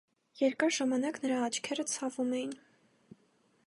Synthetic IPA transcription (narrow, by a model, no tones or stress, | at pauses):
jɛɾkɑɾʒɑmɑnɑknəɾɑːt͡ʃʰkʰɛɾət͡sʰɑvumɛjin